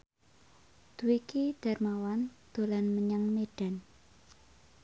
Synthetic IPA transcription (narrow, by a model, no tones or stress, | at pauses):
d̪̥uwikid̪̥a̤rmawand̪̥o̤lanməɲaŋmeɖ̥a̤n